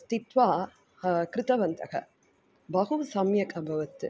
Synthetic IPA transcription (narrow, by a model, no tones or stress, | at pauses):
st̪it̪ʋaː | kɾɨt̪ɐʋɐnt̪ɐɣɐ̰ | bɐɦusɐmjɐkɐbʱɐʋɐt̪ːɨ